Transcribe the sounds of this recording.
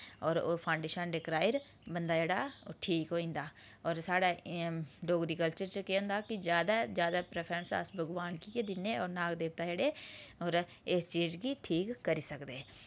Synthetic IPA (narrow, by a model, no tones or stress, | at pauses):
ɔːɾoːpʰãːɳɖeːʃənɖɪkɾaːɪɾ | bənd̪aːd͡ʒeːɽaːʈʰiːkɦoːĩːnd̪aː | ɔːɾsaːɽaː | ɖoːɡɾiːkəlt͡ʃəɾt͡ʃəkeõnd̪aːkɪd͡ʒjaːd̪aːd͡ʒjaːd̪aːpɾɛːpʰəɾənsa̰ːsbəɡʋaːnkiːked̪ɪnːeːɔːɾnaːɡd̪eːp̚t̪aːd͡ʒeːɽeːɔːɾ | ɪst͡ʃiːd͡ʒɡiːʈʰiːkːəɾiːsəkd̪eː